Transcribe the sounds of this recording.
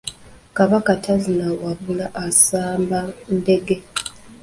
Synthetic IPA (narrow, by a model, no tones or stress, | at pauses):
kaβakatʰazinawaβulaʔːsaːmbande̞ɡe̞